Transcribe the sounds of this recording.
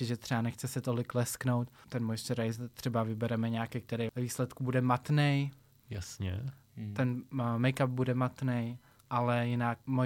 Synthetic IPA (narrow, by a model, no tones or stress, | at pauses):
ɪʒɛt̪r̝̥ɛbanɛxt͡sɛsɛt̪olɪklɛskno̞wt̪t̪ːɛnmojstɛɾajzt̪r̥ɛbavɪbɛɾɛmɛɲaːkɛjk̚t̪ɛɾɛjɛviːslɛt̪kubudɛmat̪nɛj | jasɲɛ̰t̪ɛnmɛjkap̚budɛmat̪nɛj | ʔalɛjɪnak̚mo